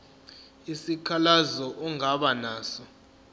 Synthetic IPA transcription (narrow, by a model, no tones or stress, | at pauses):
isikʰalazɔʔuŋaɓanaːsɔ